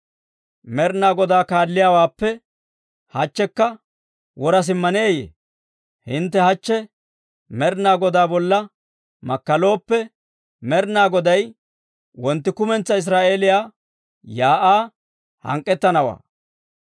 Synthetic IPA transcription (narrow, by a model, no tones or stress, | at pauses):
mɛɾnaːɡɔd̪aːkaːlːɪjaːwaːpːɛ | hɐt͡ʃːɛkːɐ | wɔɾɐs̬ɪmːɐneːjḛː | hɪnt̪̬ːɛhɐt͡ʃːɛ | mɛɾnaːɡɔd̪aːbɔlːɐ | mɐkːɐlo̞ːpːɛ | mɛɾnaːɡɔd̪ɐj | wɔnt̪ːɪkʊmɛnt͡sːɐɪs̬ɾaːʔe̞ːlɪjaː | jaːʔaː | hɐ̰ŋkʼːɛt̪ːɐnɐwa̰ː